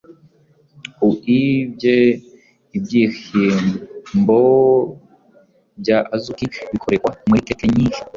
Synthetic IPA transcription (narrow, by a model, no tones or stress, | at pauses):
uʔibje | ibjiximbo | bɟaazukiβikʰoɾekwamuɾikekeɲiːnʃi̥